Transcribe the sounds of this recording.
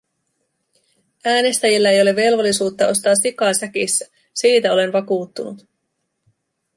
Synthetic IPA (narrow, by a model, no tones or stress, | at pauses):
æːne̞st̪æjilːæe̞jole̞ʋe̞lʋo̞lːisuːt̪ːɑʔo̞st̪ɑːsikɑːsækisːæ̥ | siːt̪æo̞le̞nʋɑkuːt̪ːunut̪